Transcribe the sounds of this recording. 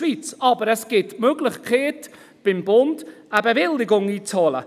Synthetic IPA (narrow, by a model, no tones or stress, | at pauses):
viːtsɔbəɾɛsɡ̥ɪdmøːɡlˠɪχkʰeːd̥ | b̥ɪnbʊnd̥abɛvɪlˠɪɡʊŋitʰoːlˠa̰